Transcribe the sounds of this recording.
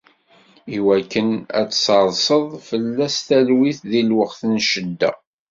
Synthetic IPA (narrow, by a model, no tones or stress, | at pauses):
iwækːənæ̰t͡sːsəɾˤsəðˤfəlːæst̪ælwiθðilwəqθnʃəd̪ːæ̰